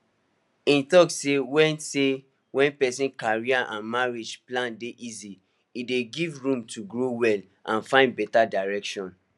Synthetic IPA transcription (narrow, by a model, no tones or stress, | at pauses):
ĩntɔksewɛ̃nse | wɛ̃npɛsĩnkaɹiaʔãnmaɹed͡ʒplãndeʔizi | ideɡivɹũmtʰuɡɹowɛl | ʔãnfãɪ̃nd̚bɛtadaɹɛkʃɔ̃n